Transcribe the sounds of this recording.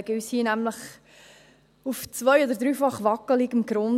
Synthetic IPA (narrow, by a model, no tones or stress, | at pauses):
ɡəyshiːnæmləχ | uft͡svœjɔd̪əɾd̪ɾyːfɑχʋɑkəliɡɪmɡɾʊn